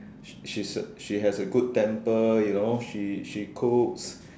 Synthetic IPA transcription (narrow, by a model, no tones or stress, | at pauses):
ʃisʃiɦɛsəɡud̚tɛ̃mpəjunoʃiʃikʰoks